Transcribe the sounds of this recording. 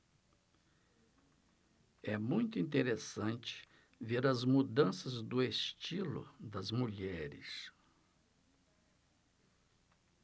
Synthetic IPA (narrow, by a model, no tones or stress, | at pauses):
ɛmũj̃t̪ʊĩnt̪eɾesɐ̃nt͡ʃɪ̥ | veɾɐzmud̪ɐ̃sɐzd̪ʊest͡ʃilʊ̰d̪ɐzmuʎɛɾɪ̰s